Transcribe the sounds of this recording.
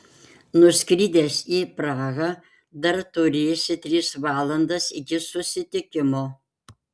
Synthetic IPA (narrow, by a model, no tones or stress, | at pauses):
nʊsʲkɾʲiːd̪ʲɛsiːpɾɑːɣɐ | d̪ɐɾt̪ʊɾʲeːsʲɪt̪ʲɾʲiːsʋɑːlˠɐnd̪ɐsɪɡʲɪsʊsʲɪt̪ʲɪkʲɪmoː